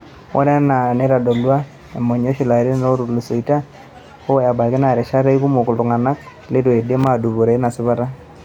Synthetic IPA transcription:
wʔɔ̰˦ɾa˦na˨ne˦ɾa˨dɔ˨lu˦a˦ | e˨mɔ˨ɲo˦ʃi˨la˨ɾi˦n˨no˦ɾu˨lu˨so˨i˨ta˦ | o˦˨ja˨ba˨ke˦na˨ɾɛ˨ʃa˦ɾe˦i˦ku˦mo˨ku˨lu˨ŋa˨na˦k | le˦dwe˨de˦ma˨du˨βo˨ɾe˨˦na˨sɪ˦βa˦ɾa˦

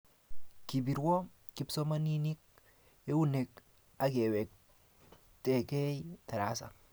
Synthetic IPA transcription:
ki˨bi˨ɾwo˦ | ki˦pso˦ma˦ni˦ni˦k̚ | e˦wu˦ne˨k | a˦ke˨we˨k̚ | te˨kɛ˦jt̪a˨ɾa˦sa̰˨

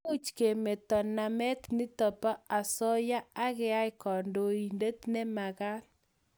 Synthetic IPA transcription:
o˦t͡ʃke˨mɛ˨tɔ˨na˨mɛ˦t̪nɪ˦tɔ˨pa˦a˨sɔ˦ja˦a˦ɣɛ˦a˦ɪ˦kɔ˨ndo˨i˨nde˦t̪nɛ˦ma˨ɣa˦l

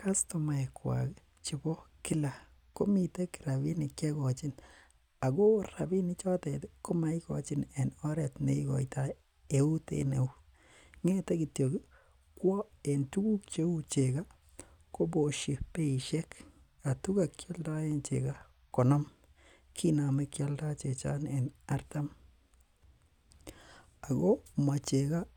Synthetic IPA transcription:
ka˦sto˨ma˨ɛ˨kwa̰˨k | t͡ʃi˨bɔ˦kɪ˦la˨ | ko˦mi˨te˦ki̥˨ɾa˨bi˦nɪ˨kt͡ʃɛ˦kɔ˨t͡ʃɪ˦n | a˨ko˦ɾa˨bi˦nɪ˦t͡ʃɔ˦tɛ˨tko˦ma˦i˦kɔ̰˨t͡ʃɪ˦nɛ˨nɔ˦ɾɛ˨tne˦ikɔ̰˨ita | e˨u˦tḛne˨u˦ | ŋe˦te˦ki˨tjo˨ɡi˦ | kwɔ˦e˨ntu˦ɡu˦kt͡ʃe˦u˦t͡ʃe˨ɡa˦ | ko˦bo˨ʃi˨pe˦i˨ʃɛ˦k | a˨tu˦ka˨kjɔ˦lda˦e˦nt͡ʃḛ˨ka˦ | kɔ˨nɔ˦m | kʰina˨me˦kja˦lda˦t͡ʃe˨t͡ʃa̰˦nɛ˨na˦rta˦m | a˨ɡo˦ma˨t͡ʃe˨ka˦

